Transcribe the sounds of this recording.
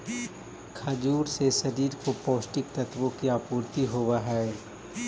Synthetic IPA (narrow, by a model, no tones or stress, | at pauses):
kʰɐd͡ʒuːɾseʃɐɾiːɾkopoːsʈɪkt̪ɐt̪ʋõkiaːpuːɾt̪iɦoːwaɦɛː